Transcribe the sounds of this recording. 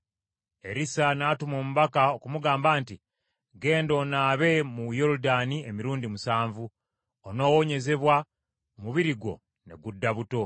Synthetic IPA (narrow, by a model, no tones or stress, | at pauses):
e̞ɾisanaːtumo̞ːmuβakaokumuɡaːmbaːnti | ɡe̞ːndo̞naːβe̞mujo̞ɾudaniemiɾuːndimusaːɱvu | ono̞ːwo̞ɲe̞ze̞βwa | muβiɾiɡo̞̰ | ne̞ɡudːaβuto̞